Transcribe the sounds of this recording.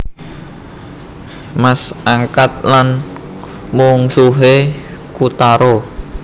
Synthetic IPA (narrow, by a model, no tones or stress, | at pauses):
masaŋkat̪̚lan | muŋsuɦekut̪aɾo